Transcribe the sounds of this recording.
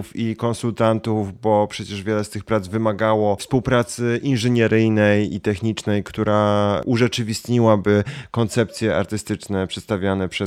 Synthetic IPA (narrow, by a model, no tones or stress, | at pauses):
fikɔnsult̪ant̪uvbɔpʂɛt͡ɕɛʐvʲjɛlɛst̪ɘxpɾad̪zvɘmaɡawɔfspuwpɾat̪sɘʔinʐɘɲɛɾɘjnɛjḭt̪ɛxɲit͡ʂnɛjkt̪uɾʔaʔuʐɛt͡ʂɘvʲist̪ɲiwabɘkɔnt̪sɛp̚t̪sʲjɛʔa̰ɾt̪ɘst̪ɘt͡ʂnɛpʂɛt̪st̪avʲjanɛpʂɛ